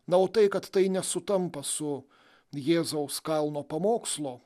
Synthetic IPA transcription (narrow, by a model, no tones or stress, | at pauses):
nɐoːt̪ɐɪkɐt̪t̪ɐɪnʲɛsʊt̪ɐmpɐsʊ | jeːzɐʊskɐlˠnoːpɐmoːkslˠoː